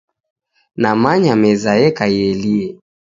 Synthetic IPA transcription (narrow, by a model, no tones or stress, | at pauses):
namaɲamɛzaɛkaiɛliɛ